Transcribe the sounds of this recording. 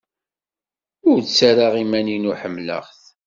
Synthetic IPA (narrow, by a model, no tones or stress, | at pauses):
ʊɾt͡sːaɾaʁimæninuħəmːlə̰ʁθ